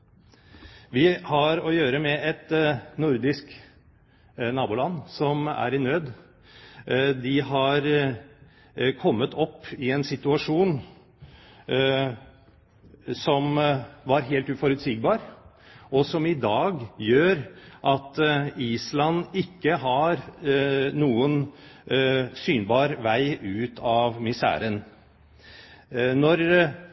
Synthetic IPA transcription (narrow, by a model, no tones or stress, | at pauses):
ʋɪhɑɾɔjøːɾəmɛʔɛt̪nʊɾd̪ɪsk | nɑːbuːlɑnːsɔmæ̰ɾɪnøːd̪ | d̪ɪɦɑɾ | kʰɔmːət̪ʰɔpːɪɛnsɪt̪ʉɑʂuːn | sɔmʋɑɾɦeːlt̪ʉːfɔɾʉt̪siːɡbɑːɾ | ɔsɔmɪd̪ɑːɡjøːɾʔɑt̪iːslɑnɪkːəɦɑɾ | nuːən | syːnbɑːɾʋæɪʉːt̪ʰɑʋmɪsæ̰ːɾən | nɔɾ